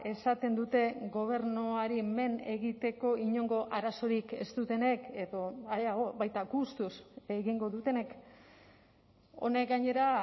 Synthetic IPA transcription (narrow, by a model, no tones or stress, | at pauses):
e̞sat̪e̞nd̪ut̪e̞ɡo̞β̞e̞ɾnoaɾime̞ne̞ɣit̪e̞ko̞iɲo̞ŋɡo̞ʔaɾaso̞ɾike̞̰st̪ut̪e̞ne̞ke̞ðo̞aaoβajt̪aɡust̪useɣiŋɡo̞ðut̪e̞ne̞k | o̞̰ne̞kɡaɲe̞ɾa